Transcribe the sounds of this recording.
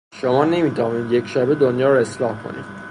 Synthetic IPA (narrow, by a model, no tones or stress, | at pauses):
ʃomɒːne̞miːt̪ʰævɒːniːd̪je̞cʃæːbed̪onjɒːɾoe̞slɒːhkʰo̰nḭːd̪̥